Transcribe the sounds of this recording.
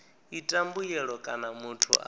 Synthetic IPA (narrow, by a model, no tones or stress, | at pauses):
itʼambujɛɺɔkʼanamutʰṵʔa̰